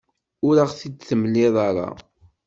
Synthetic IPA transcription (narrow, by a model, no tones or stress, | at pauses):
ʊɾaʁθidθəmlːɪðˤɑɾˤɑ̰